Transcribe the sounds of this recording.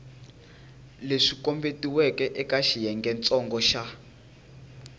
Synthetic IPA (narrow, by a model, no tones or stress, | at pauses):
leʂikɔmbetiwɛkɛʔɛkaʃijɛŋɡɛnt͡sʼɔŋɡɔʃa